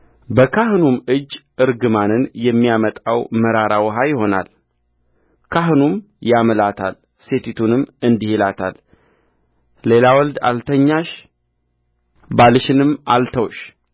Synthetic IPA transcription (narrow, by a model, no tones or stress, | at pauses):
bəkʰaɦɨnumɨd͡ʒːʔɨɾɡɨmanɨnjɛmːijamət̪ʼawməɾaɾawəɦajɪɦo̞na̰l | kʰaɦɨnum | jamlat̪ʰal | set̪ʰit̪ʰunɨmːɨnd̪ihilat̪ʰal | e̞lawɔld̪a̰lt̪ʰəɲːaʃ | balɨʃɪnɨmalt̪ʰəwʃ